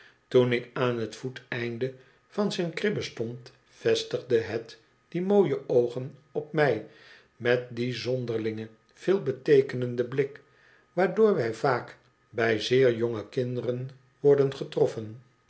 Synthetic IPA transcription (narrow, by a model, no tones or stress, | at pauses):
tunɪkaːnɦətfutɛjndə | vɑnzɛjnkrɪbəstɔnt | fɛstəχdəɦət | d̥imoːjəʔowχənɔpmɛj | mɛt̚dizɔndəɹlɪŋə | v̥ɪːlˠbətejkənəndəblɪk | ʋaːɹdʊːɹʋɛjvaːk | bɛjzɪːɹjɔŋəkɪndərən | ʋɔɹdənχətrɔfən